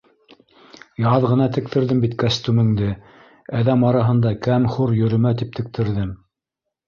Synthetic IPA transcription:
jɑðʁɤ̆nɑt̪ɘ̆k̚t̪ʰɘ̆ɾðɘmbit̪kæst̪umɘ̆ŋd̪ɘ | æðæmɑɾɑɦɤ̆nd̪ɑkæmχuɾjɵ̆ɾɘ̆mæt̪ip̚t̪ʰɘ̆k̚t̪ʰɘ̆ɾðɘm

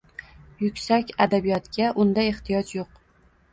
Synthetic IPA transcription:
jʊkʲsakʲad̪abijɒt̪ɡʲaʔʊnd̪ajeht̪ʰɪjɒt͡ʃjoq

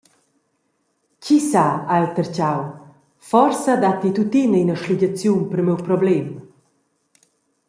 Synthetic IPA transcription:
cisaaɛlt̪əɾt͡ɕaw | fɔɾsad̪at̪it̪ut̪inəinəʃliɟat͡sjunpəɾmɛwpɾɔblɛm

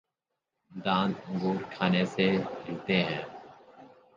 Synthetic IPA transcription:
d̪ãːnd̪ə̃ŋɡuːɾkʰaːnesehɪlt̪eɦɛ̃ː

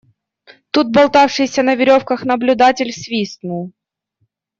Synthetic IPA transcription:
t̪ut̪̚bɐlˠt̪afʂɨjsʲɐnəvʲɪɾʲofkɐxnɐblʲʊd̪atʲɪlʲsvʲisnʊlˠ

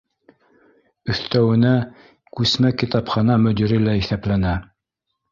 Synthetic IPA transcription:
ɵ̆θt̪æwɘ̆næ | kʉsmækit̪ɑpχɑnɑmɵ̆d̪iɾilæiθæplænæ

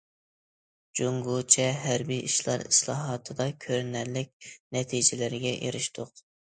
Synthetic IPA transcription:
d͡ʒuŋɡut͡ʃʰɛɦæɾbijʔiʃlˠɑ̰ɾḭslˠɑːɦɑt̪ʰɨd̪ɑkʲʰøɾnæɾlɪk̚ʲnɛt̪ʰid͡ʒɪlɪɾɪɡʲɛʔḛɾɪʃt̪ʰʊq

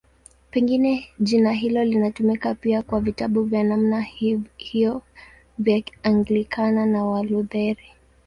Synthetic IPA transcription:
pɛŋɡinɛʄinaɦilɔlinatumikapiakwavitaɓuvjanamnahijɔ | vjaaŋɡlikʰananawaluðɛɾi

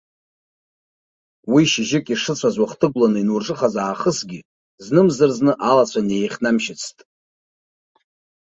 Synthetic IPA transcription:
wiʃɪʒɪkʼiʂɨt͡ɕʷʰazwaχtʰɨɡʷlanɨinurʈ͡ʂʼɨχazaːχəsɡʲɪ | znɨmzɨrznɨʔalat͡sʷʰane̞jχʲnamʃɪt͡sʰtʼ

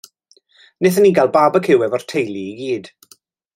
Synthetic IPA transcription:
nɪθəniːɡalˠbaːbəkʰɪwɛvɔr̥tʰejlˠiːɡiːd̥

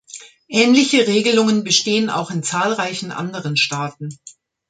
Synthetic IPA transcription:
ʔɛːnlɪçəʁeːɡəlʊŋənbəʃteːəna̰ʊxɪnt͡saːlʁaɪçn̩ʔa̰ndəʁənʃtaːt̚n̩

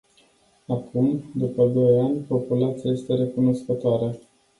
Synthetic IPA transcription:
akumd̪upəd̪o̞janʲpo̞pulat̪siaje̞st̪e̞ɾe̞kuno̞skət̪oaɾə

